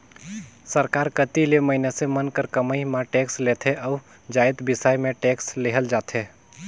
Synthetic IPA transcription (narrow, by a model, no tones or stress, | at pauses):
səɾkaɾkət̪ileməɦɪnesemənkəɾkəməjmãʈekslet̪ʰeʔəʊ | d͡ʒajt̪bɪsajmẽʈeksleɦəld͡ʒaːt̪ʰe